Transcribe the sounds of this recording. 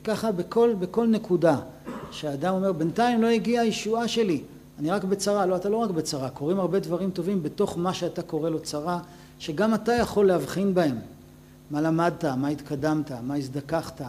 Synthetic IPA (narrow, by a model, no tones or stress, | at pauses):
kaχabeko̞lbe̞ko̞lne̞kuda | ʃeaːdamo̞me̞ʁbe̞ntajimlo̞eɡiajeʃuaʃe̞li | aniʁakbe̞t͡saʁalo̞atalo̞ʁakbet͡saʁako̞ʁimaʁbe̞dvaʁimto̞vimbeto̞χmaʃeatako̞ʁe̞lo̞t͡saʁa | ʃe̞ɡamatajaχo̞lːehavχinbae̞mː | alamad̚tamait̪kʰadamtamaizd̪akaχta